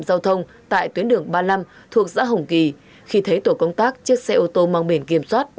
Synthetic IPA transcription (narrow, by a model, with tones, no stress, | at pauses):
mzaː˧wt̪ʰə˧wŋ͡m | t̪a̰ː˧˨jt̪wi˨˦ənɗɨ˨˩əŋɓaː˧la˧m | t̪ʰu˨˩ək̚za̰ː˧˥ɦə˨˧˩wŋ͡mki˨˩ | xi˧t̪ʰə˨˦jt̪o˧˩kə˧wŋ͡mt̪aː˦˥k̚t͡ɕɨ˦˥ək̚sɛ˧ʔo˧t̪o˧maː˧wŋ͡mɓi˧˩nki˧˩əmswaː˦˥t̚